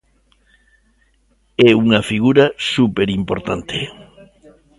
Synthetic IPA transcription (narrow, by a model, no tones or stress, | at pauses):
ɛuŋɐfiɣuɾɐsupeɾimpoɾt̪ant̪ʰe